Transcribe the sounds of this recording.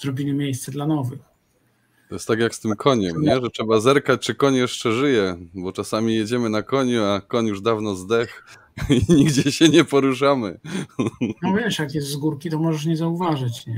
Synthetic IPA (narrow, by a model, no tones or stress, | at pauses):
zɾɔbʲilʲimʲjejst̪sɛd̪lanɔvɘx | t̪ɔjɛst̪ːakʲjakst̪ɘmkʰɔɲɛmɲɛʐɛtʂɛbazɛɾkat͡ɕt͡ʂɘkɔɲjɛʂt͡ʂɛʐɘjɛbɔt͡ʂasamʲijɛd͡ʑɛmɘnakɔɲuakɔɲjuʐd̪avnɔzd̪ɛx | iɲiɡd͡ʑɛɕɛɲɛpɔɾuʂ̬amɘ | ɔvʲɛʂjakjɛst̪zɡuɾkʲit̪ɔmɔʐɛʂ̬ɲɛzauvaʐɘt͡ɕɲɛ